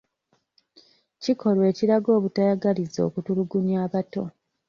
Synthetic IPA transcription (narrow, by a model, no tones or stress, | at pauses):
cikʰo̞lwe̞ːciɾaɡo̞ːβutajaɡalizo̞̰ːkutuluɡuɲaːβato̞